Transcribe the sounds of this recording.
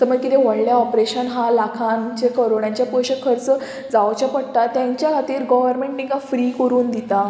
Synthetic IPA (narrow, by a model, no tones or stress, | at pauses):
t̪əməɡkit̪eʋəɽljaɔpɾeɕənɦalakʰant͡ɕekəɾoɳjãt͡ɕjapɔjɕəkʰəɾt͡sə | d͡zaʋt͡ɕapəɽt̪at̪ːjãɲt͡ɕjakʰat̪iːɾɡɔʋəɾmẽɳʈmĩŋkafɾiːkəɾuːnd̪it̪a